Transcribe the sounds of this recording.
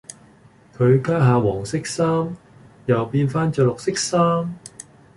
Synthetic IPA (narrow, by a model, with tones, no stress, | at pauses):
kʰɵ˨˧ɥkaː˥ɦaː˨˧wɔː˨˩ŋsɪ˥k̚saː˥m | jɐ˨wpiː˧nfaː˥nt͡ʃœː˧lʊ˨k̚sɪ˥k̚saː˥m